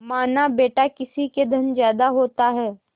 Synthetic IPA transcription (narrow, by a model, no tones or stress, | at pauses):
maːnabeːʈakɪsiked̪ʱənzjaːd̪aɦoːt̪aɦɛː